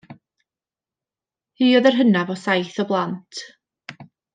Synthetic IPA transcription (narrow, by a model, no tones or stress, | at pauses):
hiːɔðɛrɦənavɔsajθɔblˠantʰ